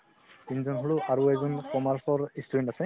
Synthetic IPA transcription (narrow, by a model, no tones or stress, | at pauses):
tinzɔnɦolʊʔaɹuɛzɔnkɔmaɹsɔɹistʰuintasɛ